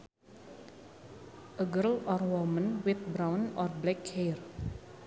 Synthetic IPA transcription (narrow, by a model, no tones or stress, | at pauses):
əɡəlɔɾwɔmə̃nwɪt̪̚bɾãwnɔɾblɛkhɛɾ